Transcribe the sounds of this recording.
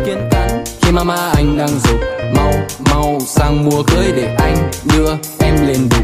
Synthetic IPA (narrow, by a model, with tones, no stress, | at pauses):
ki˧ənt̪aː˨˦ŋxi˧maː˧maː˧ʔa˧jŋ̟ɗaː˧ŋzu˨˩k͡p̚ma˧˩wma˧wsaː˧˩ŋmu˨˧˩əkəː˧˦jɗe˧˩ʔa˧jŋ̟ɗɨ˧ə | ʔɛ˧mle˧˩nɗu˨˩˦